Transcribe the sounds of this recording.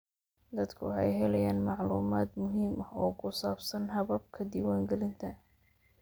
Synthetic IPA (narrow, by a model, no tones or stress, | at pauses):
d̪ɐd̪kʰʊ̰ħɛ̰jɦɛlɛjaːnmɑʕlṵːmaːd̪mʊɦiːmɐhɔːkʰʊsaːbsɐnɦɐβɐb̚kʰɐd̪iːwaːŋɡɛlɪnt̪ʰɐ